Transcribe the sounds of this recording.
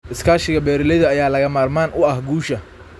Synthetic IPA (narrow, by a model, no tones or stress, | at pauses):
ʔɪskʰaːʃɪɣɐbɛːɾɪlɛðɐːjaːlɐɣɐmaːrmaːnʔʊɐhɡuːʃɐ